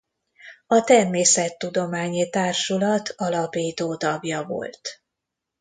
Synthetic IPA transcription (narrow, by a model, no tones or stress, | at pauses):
ɒt̪ɛrmeːsɛt̪ːud̪o̞maːɲit̪aːrʃulɒt̪ʰɒlɒpiːt̪oːt̪ɒbjɒvo̞̰lt̪